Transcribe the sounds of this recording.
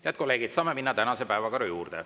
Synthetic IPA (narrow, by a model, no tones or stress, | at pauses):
jæt̪̚ko̞lːe̞ːɡ̥id̪̥sɑːme̞minːɑt̪ænɑse̞pæevɑkɑɾojuːrd̪̥e